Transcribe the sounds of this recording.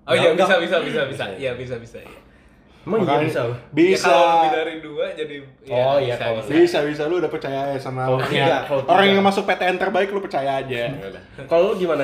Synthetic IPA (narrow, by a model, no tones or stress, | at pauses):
ojabisabisabisabisajabis̬abisaja | maŋkasabisabinaɾiduad͡ʒadijɔjabisabis̬aluudahpərt͡ʃajaːd͡ʒasamaoaŋaoɾaŋjaŋmasʊk̚fet̪eɛnt̪ərbaɪklʊpərt͡ʃajaːd͡ʒaɡ | kaloɡimana